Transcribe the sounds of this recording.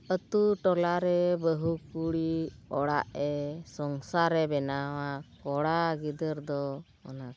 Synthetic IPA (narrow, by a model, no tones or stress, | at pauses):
ət̪uʈɔlaɾɛbəɦukuɽiɔɽa̰ʔɛsɔŋsaɾɛbɛnawakɔɽaɡid̪əɾd̪ɔ | ɔ̰na